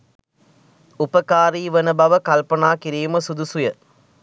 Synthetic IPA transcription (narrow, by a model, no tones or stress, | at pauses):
upɐkaːɾiːʋɐnɐbɐʋɐkɐlpɐnaːkɪɾijumɐsud̪usujɐ